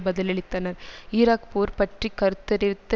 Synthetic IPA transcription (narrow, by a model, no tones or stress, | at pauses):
bɐðɐlɛɭɪt̪ːɐnɐɾɪɾaːkpuːɾpɐʈrikːɐɾɯt̪ːɐɾɪt̪ːɐ